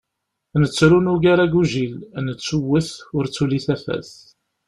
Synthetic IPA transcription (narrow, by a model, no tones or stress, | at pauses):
nət͡sːɾunuɡaɾaɡuʒilnət͡sːuwːəθʊɾt͡sːuliθæfæ̰θ